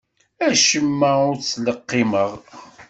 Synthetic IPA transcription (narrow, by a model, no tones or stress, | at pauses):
æʃəmːəʊɾt͡sːləqːɪməʁ